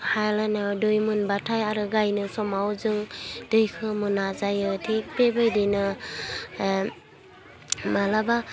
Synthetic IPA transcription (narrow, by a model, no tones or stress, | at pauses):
hajlanadɯjmunbatʰajaɾɯɡajnɯsɔmawzɯŋd̥ɯjkʰɯmunːazajɯtʰek̚pebɯjdɯjnɯ | malaba